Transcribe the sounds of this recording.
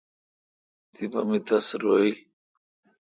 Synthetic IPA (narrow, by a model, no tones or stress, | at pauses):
t̪iba̰mit̪asɾoil